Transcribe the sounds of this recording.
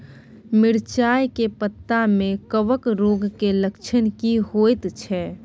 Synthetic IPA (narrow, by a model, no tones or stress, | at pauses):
mɪɽt͡ʃaːjkepət̪ːamẽkəʋəkɾoɡkeləkt͡ʃʰənkiɦojt̪t͡ʃʰɛ